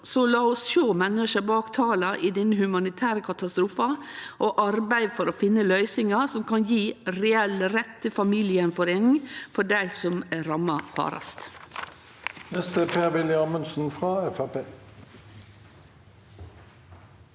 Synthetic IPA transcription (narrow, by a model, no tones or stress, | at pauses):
sɔlɑːʊsʃoːmɛnəʃæbɑːkt̪ʰɑːlɑʔiːd̪ɪnəhʉmɑnɪt̪ʰæːɾəkʰɑt̪ɑst̪ɾuːfɑʔoʔɑɾbæɪfɔɾoːfɪnːəlœʏsɪŋɑsɔmkɑnjiːɾɛɛlɾɛt̪ːəfɑmiːlɪənfɔɾeːnɪŋfɔɖæɪsɔmæɾɑmːɑfɑ̰ːɾɑ̰st̪ | nɛst̪əpʰeːʁʋɪljɪɑmʉnsn̩fʁɑːɛfæʁpeː